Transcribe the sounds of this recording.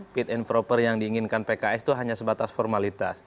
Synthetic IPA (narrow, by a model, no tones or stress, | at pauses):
pit̪ɛnfɾopərjaŋdiːŋɪnkanpekaɛst̪uɦaɲasəbat̪asfɔrmalit̪a̰s